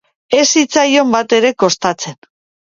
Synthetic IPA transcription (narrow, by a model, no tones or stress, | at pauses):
e̞sit͡sajo̞mbat̪e̞ɾe̞ko̞st̪at͡se̞n